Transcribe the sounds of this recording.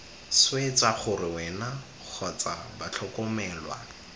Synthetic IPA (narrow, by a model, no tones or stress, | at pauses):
swet͡saχʊrɪwɛna | k͡xʰɔt͡sabat͡ɬʰɔkɔmɛːlwa̰